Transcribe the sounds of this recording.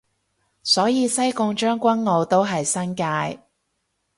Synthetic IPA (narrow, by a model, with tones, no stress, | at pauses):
sɔː˨˥jiː˨˧sɐ˥jkʊ˧ŋt͡ʃœː˥ŋkʷɐ˥nŋo˨˧wt̪o˥wɦɐ˨jsɐ˥nkaː˧j